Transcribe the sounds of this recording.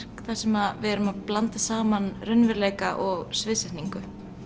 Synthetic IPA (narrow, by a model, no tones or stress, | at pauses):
r̥kθḁsɛmaðvɛːɾʏmaðplant̪asaːmanrœnvɛɾleːjkaʔɔɣsvɪːsɛht̪niŋkʏ